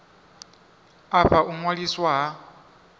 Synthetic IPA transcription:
aɸaʔumwaliswaɦa

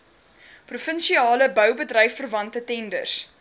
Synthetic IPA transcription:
prufənʃiɑːləbœwbədrəjfərvɐntətɛndə̰rs

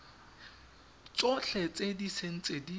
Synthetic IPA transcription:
t͡sʼɔɬɛt͡sʼedisen̩t͡sʼedi

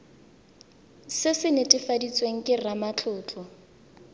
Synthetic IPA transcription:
sɪsɪnetʼɪfadit͡sʼweŋ̩kʼɪramat͡ɬʰʊːt͡ɬʰʼɔ

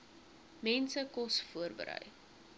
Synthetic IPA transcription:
mɛnsəkɔsfuərbə̰ɾœ̰j

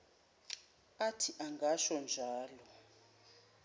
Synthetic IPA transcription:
atʰiʔaŋɡʱaʃɔnd͡ʒʱaːlɔ

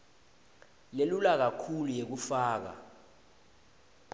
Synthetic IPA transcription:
lelulak̬akʰulujek̬ufaːk̬a̰

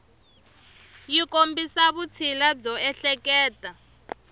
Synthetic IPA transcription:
jikʼombʱisaβut͡sʰilab͡ʐɔɛɬɛk̬ʼɛːtʼa

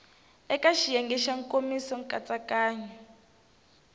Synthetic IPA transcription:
ɛkaʃijɛŋɡɛʃaŋkʼomisɔŋkʼat͡sʼakaːɲa

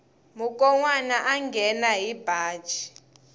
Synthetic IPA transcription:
muk̬ʼɔŋwanaʔaŋɡʱɛnaɦib̥ʱaːd̥t͡ʃʰʼi̥

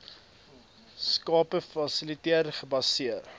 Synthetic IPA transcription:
skɑːpəfɐsilitiərχəbɐsiər

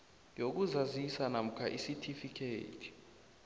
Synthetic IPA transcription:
jok̬uzazisanam̩kʰaʔisitʰifikʰḛːtʰi̥

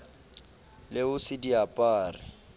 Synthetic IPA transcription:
lɪʊsɪdiapʼaːrɪ̰

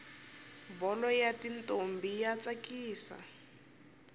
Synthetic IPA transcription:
bɔlɔjatintʼombijat͡sakiːsa̰

